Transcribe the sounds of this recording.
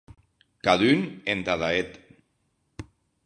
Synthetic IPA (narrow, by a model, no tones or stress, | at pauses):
kaðynent̪aðaet̪